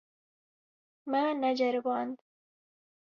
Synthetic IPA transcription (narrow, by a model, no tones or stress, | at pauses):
manad͡ʒaɾbɑːnd̪